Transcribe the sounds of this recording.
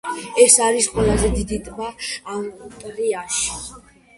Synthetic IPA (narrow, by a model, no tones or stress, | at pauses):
ɛsaɾisqʼwɛlazɛd̪id̪it̪ʼmaːmt̪ʼɾiaʃi̥